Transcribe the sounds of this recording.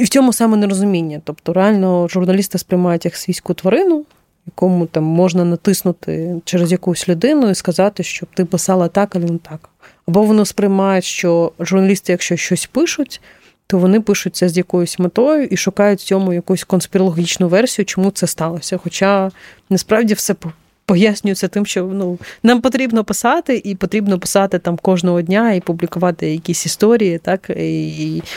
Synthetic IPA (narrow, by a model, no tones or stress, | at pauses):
iwt͡sʲɔmʊsɑmɛneɾɔzʊmʲinʲːɐt̪ɔpt̪ɔɾeɑlʲnɔʒʊrnɐlʲist̪ɪspɾɪjmɑjʊtʲjɐksʋʲisʲkʊt̪ʋɐɾɪnʊ | jɐkɔmʊt̪ɑmːɔʒnɐnɐt̪ɪsnʊt̪ɪ̰t͡ʃɛɾezjɐkujʊsʲlʲʊd̪ɪnʊiskɐzɑt̪ɪʃt͡ʃɔb̚t̪ɪpɪsɑlˠɐt̪ɑkɐlʲˠɛnɛt̪ɑk | ɐbɔʋɔnɪspɾɪjmɑjʊtʲʃt͡ʃɔʒʊrnɐlʲist̪ɪjɐkʃt͡ʃɔt͡ʃɔsʲpɪʃʊtʲ | t̪ɔʋɔnɪpɪʃʊt̚ʲt͡sʲːɐzʲjɐkɔjʊsʲmet̪ɔjʊʔiʃʊkɑjʊtʲt͡sʲɔmʊjɐkujʊsʲkɔnspʲɪɾɔlˠɦʲit͡ʃnʊʋɛrsʲijʊt͡ʃɔmut̪sɛst̪ɑlˠɔsʲɐxɔt͡ʃɑ | nɐspɾɑʋdʲifsɛp | pɔjasʲnʲʊjɪt͡sʲːɐt̪ɪmʃt͡ʃɔnunɑmpɔt̪ɾʲibnɔpɪsɑt̪ɪʔipɔt̪ɾʲibnɔpɪ̥sɑt̪ɪt̪ɑmkɔʒnɔɦɔdʲnʲaipublʲikʊʋɑt̪ɪjɐkʲisʲist̪ɔɾʲijit̪ɑkiː